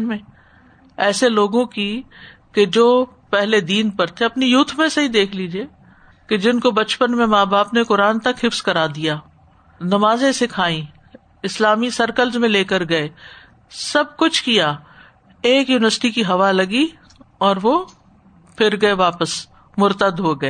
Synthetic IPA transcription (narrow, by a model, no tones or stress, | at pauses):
mẽ | ɛːseloːɡõkiked͡ʒoː | pɛɦled̪iːnpɐɾt̪ʰeɐpnijuːt̪ʰmẽsɐɦid̪eːkʰliːd͡ʒieː | ked͡ʒɪnkobɐt͡ʃpənmẽmaːbaːpnekʊɾaːnt̪ɐkɦɪfskɐɾaːd̪ijaː | nɐmaːzẽsekʰaːĩ | ɪslaːmisɐɾkəlzmẽleːkəɾɡɐeː | sɐb̚kʊt͡ʃʰkijaː | eːkjuːnɪʋəɾsʈikiɦɐʋalɐɡi | ɔːɾʋo | pʰɪɾɡɐeʋaːpəs | mʊɾt̪əd̪ɦoɡɐeː